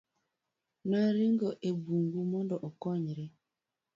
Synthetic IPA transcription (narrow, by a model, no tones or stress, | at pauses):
naɾiŋɡɔʔebuŋɡumɔndɔʔɔkɔɲiɾe